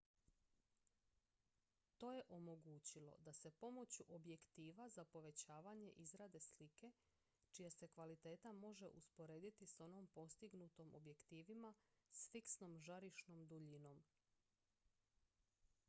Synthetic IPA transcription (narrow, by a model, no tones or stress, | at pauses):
t̪o̞ːjeʔo̞mo̞ɡuːt͡ɕilo̞̰d̪ase̞po̞mo̞t͡ɕuʔobje̞kt̪iːʋazapo̞ʋe̞t͡ɕaːʋaɲe̞̰ʔizɾad̪e̞slike̞ | t͡ʃijase̞kʋalit̪e̞ːt̪amo̞ʒe̞̰ʔuspo̞ɾe̞ːd̪it̪iso̞no̞mpo̞st̪iɡnut̪o̞mʔo̞̰bje̞kt̪iːʋimasfiksno̞mʒaɾiʃno̞md̪uʎino̞m